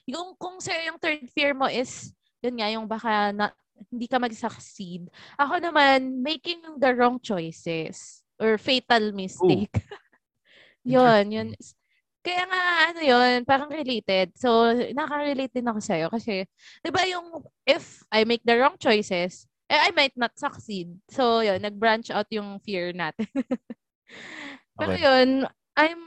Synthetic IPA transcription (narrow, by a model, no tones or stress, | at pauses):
jʊŋkʊŋsɐjo̞jʊŋt̪ɛɹd̪̚fiɹmo̞ʔɪs | jʊnŋajʊŋbaːkanɐ | hɪnd̪iːkɐmɐɡsɐksid̪̚ʔɐko̞nɐmanmejkɪŋjŋd̪ɐɹɔŋt͡ʃojsɛs | ʔɔɹfeːt̪ɐlmɪst̪ek | jonjonɪs | kɐjaːŋaɐnojonpaːɾɐŋɾɪlejt̪ɛd̪̚so̞wnɐkɐɹɪlejt̪̚d̪ɪnɐkosɐjo̞kɐsɛ | d̪̥ɪbajʊŋʔɪfʔajmejk̚d̪ɐɹɔŋt͡ʃojsɛs | ʔɛajmajt̪̚nɐt̪̚sɐksid̪̚sowjonːɐɡ̚bɹant͡ʃawt̪̚jʊŋfiɹnaːt̪ɛn | pɛːɾojon | ʔajm